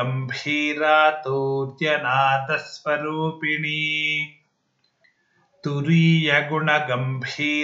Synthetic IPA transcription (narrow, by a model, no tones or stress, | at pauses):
ɐmbʱiːɾaːt̪oːt̪jɐnaːd̪ɐsʋɐɾuːpiɳiː | t̪uɾiːjɐɡuɳɐɡɐmbʱiː